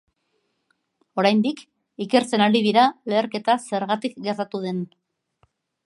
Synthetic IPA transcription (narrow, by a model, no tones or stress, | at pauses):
o̞ɾajnd̪ik | ike̞ɾt͡se̞naɾiðiɾale̞ːɾke̞t̪ase̞ɾɣat̪ikɡe̞ɾt̪at̪uð̞e̞n